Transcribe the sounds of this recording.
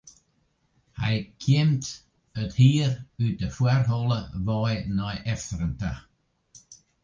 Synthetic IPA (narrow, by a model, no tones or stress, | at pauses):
ha̰jkʰɛmt̪ | əd̪hiːɾʉdəfwɛɾɦɔlˠəvɔjnɔjʔɛfɾəntə̰